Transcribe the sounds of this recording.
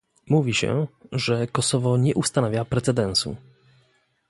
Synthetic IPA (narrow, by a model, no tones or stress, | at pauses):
muvʲiɕɛ̰ʐɛkɔsɔvɔɲɛʔust̪anavʲjapɾɛt̪sɛd̪ɛñsṵ